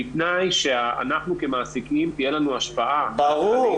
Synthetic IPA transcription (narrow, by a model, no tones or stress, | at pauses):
itnajʃea̰naχnuke̞maːsikimt̪ijelanuaʃpaʔabaʁu